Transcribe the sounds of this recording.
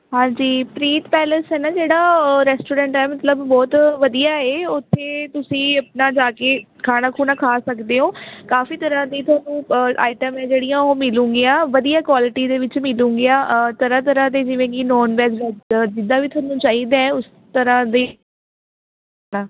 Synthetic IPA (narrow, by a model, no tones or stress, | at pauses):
ɦãːd͡ʒiːpɾiːt̪pɛːləsɦɛːnaːd͡ʒeːɽaːɾɛːsʈoːɾɛ̃ːɳʈɛːmət̪ləbːɔːt̪ʋəd̪ijaːeːʊt̪ʰːeːt̪ʊsĩːəpnaːd͡ʒaːkeː | kʰaːɽaːkʰuːnãːkʰaːsəkd̪eːɦõːkaːfiːt̪əɾãːd̪iːt̪ʰʊwaːnũːʔa̰ːɪʈəmɛːd͡ʒeːɽijãːoːmɪlũːŋɡɪãːʋəd̪ijaːkwaːlɪʈiːd̪eːʋɪt͡ʃmɪlũːŋɡeãːt̪əɾãːt̪əɾãːd̪eːd͡ʒɪʋẽːkɪnɔːnʋɛːzəd͡ʒɪd̪aːʋiːt̪ʰʊaːnũːt͡ʃaːɦiːd̪aːɛ̃ʊs | t̪əɾãːd̪eː | nãː